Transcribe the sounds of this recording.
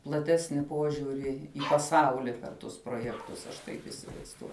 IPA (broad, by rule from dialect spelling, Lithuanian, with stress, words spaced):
plˠɐˈtʲæːsʲnʲɪ ˈpuɔʒʲʊrʲɪ ɪ pɐˈsɐʊlʲɪ pʲɛr ˈtʊs proːˈjæːktʊs ɐʃ ˈtɐɪp ɪsʲɪʋɐɪzˈduɔjʊ